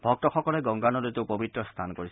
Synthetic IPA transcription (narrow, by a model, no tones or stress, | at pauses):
bʱɔk̚tɔxɔkɔlɛɡɔŋɡanɔletepobitːɹɔst̪ʰankoɹis